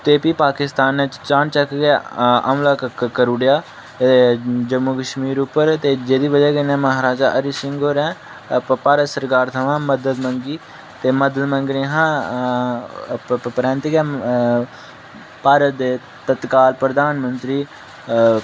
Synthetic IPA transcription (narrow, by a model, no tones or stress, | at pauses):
t̪eːpiːpaːkɪst̪aːnːẽt͡ʃaːɳt͡ʃəkːɡaːə̰mlaːkkkəɾuːɽjaː | d͡ʒəmukəʃmiːɾʊpːəɾt̪eːd͡ʒeːd̪iːʋəd͡ʒɛːkɪnɛ̃ːməɦaːɾaːd͡ʒaːʔəɾisɪŋɡoːɾɛ̃ː | paːɾət̪səɾkaːɾt̪ʰəʋãːməd̪əd̪məŋɡiː | t̪eːməd̪əd̪məŋɡɾẽːɦãː | pɾɛ̃ːnt̪iɡaː | paːɾət̪̚d̪eː | t̪ət̪kaːlpɾəd̪aːnmənt̪ɾiː